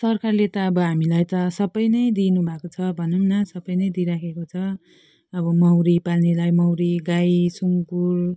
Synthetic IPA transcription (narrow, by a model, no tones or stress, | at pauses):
sʌrkarlet̪ʌːbʌɦamilajt̪ʌsʌbʌjnʌjd̪inubʱakot͡sʰʌbʱʌnumnʌsʌbʌjnʌjd̪iɾakʰekot͡sʰʌ | ʌbʌmʌwɾipalnelajmʌwɾiɡajsuŋkur